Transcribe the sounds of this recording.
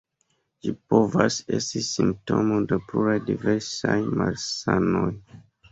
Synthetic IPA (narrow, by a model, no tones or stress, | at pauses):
d͡ʒipovase̞stisimp̚to̞modepluɾajdiveɾsajmalsanoj